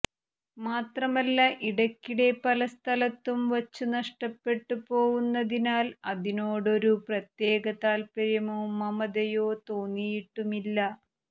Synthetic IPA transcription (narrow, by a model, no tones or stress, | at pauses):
maːt̪rɐmɐlːaʔiɽɐkʲːiɽe̞pɐlɐst̪ʰɐlɐt̪ːumʋɐt͡ɕːunɐʂʈɐpːe̞ʈːupo̞ːɣunːɐðinaːlɐðino̞ːɽo̞ɾuprɐt̪je̞ːɡɐt̪aːlpɐɾjɐmoːmɐmɐd̪ɐjoːt̪oːnːijiʈːumilːɐ